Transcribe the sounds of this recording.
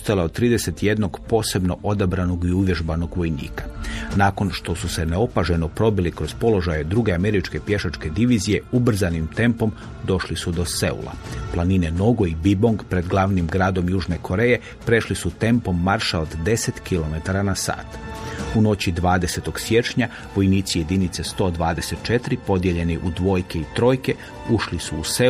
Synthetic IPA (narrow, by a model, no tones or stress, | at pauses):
ost̪aleot̪ːɾiːd̪ese̞t̪je̞d̪no̞ɡpo̞ːse̞bno̞ʔo̞d̪abɾano̞ɡiuʋje̞ʒbano̞ɡʋo̞jnḭːkḁnaːko̞nʃt̪o̞suse̞neo̞paʒe̞nopɾo̞bilikɾo̞zpo̞lo̞ʒajed̪ɾuɡeame̞ɾit͡ʃke̞pje̞ʃat͡ʃke̞d̪iʋizije̞ubr̩zanimt̪e̞mpo̞m | d̪o̞ʃlisud̪o̞se̞̰ṵla̰plˠanine̞no̞ɡoibibo̞ŋɡpɾe̞d̪ɡlˠaʋnimɡɾaːd̪o̞mjuːʒnekʰo̞ɾe̞je̞ | pɾe̞ʃlisut̪e̞mpo̞mːaɾʃaod̪d̪e̞set̪kilo̞me̞t̪aɾanasa̰ːt̪uno̞t͡ɕid̪ʋaːd̪e̞se̞t̪o̞ɡsje̞t͡ʃɲa | ʋo̞jniːt̪sije̞d̪init̪sest̪o̞ːd̪ʋaːd̪e̞set̪̚t͡ʃe̞t̪ɾipo̞d̪je̞ʎe̞niʔud̪ʋo̞ːjkeit̪ɾo̞ːjke̞ | uʃlisuːse